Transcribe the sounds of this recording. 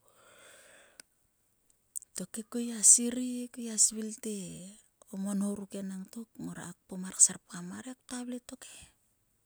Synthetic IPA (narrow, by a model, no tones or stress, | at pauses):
to̞kekojasiɾikojasβilte | omonhowɾuke̞naŋtok̚moɾa̰ːk̚pomaɾksaɾpkamaɾek̚taβleto̞ke